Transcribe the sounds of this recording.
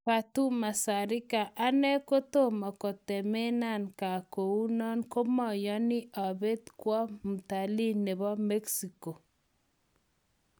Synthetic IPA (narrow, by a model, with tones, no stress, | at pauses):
pa˨tu˦ma˨sa˨ɾɪ˦ka˨ʔa˦nɛ˦ko˦to˦˨mɔ˨kɔ˨tɛ˨me˦na˦˨nka˨ko˨u˦nɔ˦nko˦mɔ˨jɔ˦nɪ˦ʔa˨βe˦t̪kwɔ˦mu˨ta˨li˦ne˨βɔ˦me˦ksi˨ko˨